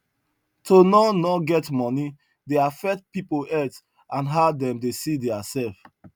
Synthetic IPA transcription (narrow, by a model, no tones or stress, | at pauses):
tonɔnɔɡɛtmɔni | deafɛk̚tpipoɛt | ãnɦadɛ̃mdesidɛasɛf